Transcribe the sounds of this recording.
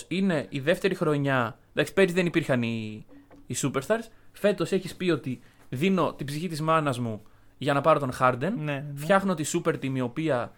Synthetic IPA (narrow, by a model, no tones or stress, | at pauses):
ine̞ʔiðe̞ft̪e̞ɾixɾo̞ɲɐnd̪ɐki̥peɾizðe̞nipiɾxɐniː | supeɾst̪ɐɾsfe̞t̪o̞se̞çispio̞t̪i | ðino̞t̪ibziçit̪izmɐnɐzmu | ʝɐnɐpɐɾo̞t̪o̞nxɐɾd̪e̞nnfçɐxnoo̞t̪isupe̞ɾt̪imio̞piɐ